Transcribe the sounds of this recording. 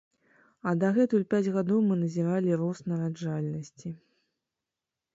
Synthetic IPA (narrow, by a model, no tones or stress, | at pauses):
ɐd̪ɐɣɛt̪uulʲpʲad͡zʲɣad̪ɔwmɨnɐzʲiɾalʲiɾɔsnɐɾad͡ʐalʲnɐsʲt͡sʲi